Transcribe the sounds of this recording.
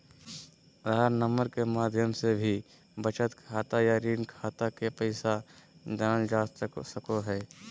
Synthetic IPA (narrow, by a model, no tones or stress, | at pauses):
ɾaɾnəməɾkemaːd̪ʱjəmsebʱi | bət͡ʃət̪kʰaːt̪ajaɾiːnkʰaːt̪akepɛɪsad͡ʒəd͡ʒaːssəkoɦɛː